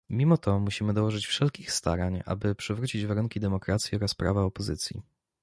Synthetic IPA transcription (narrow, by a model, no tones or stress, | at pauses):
mʲimɔt̪ʰɔmuɕimɘd̪ɔwɔʐɘt͡ɕfʂɛlkʲixst̪a̰ɾaɲa̰bɘpʂɘvɾut͡ɕid͡ʑvaɾuŋkʲid̪ɛmɔkɾat̪sʲjiɔɾaspɾa̰vaɔpɔzɘt̪sʲjḭ